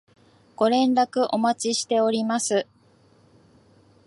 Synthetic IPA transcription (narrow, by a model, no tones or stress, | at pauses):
ɡ̥o̞ɾẽ̞nɾakɯ̟ʔo̞mat͡ɕiɕi̥t̪e̞o̞ɾʲimasɨ